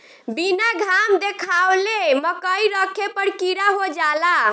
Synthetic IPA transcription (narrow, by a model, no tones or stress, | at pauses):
binaɡʱamd̪ekʰawleməkəiɾəkʰepəɾkiɾaɦod͡ʒala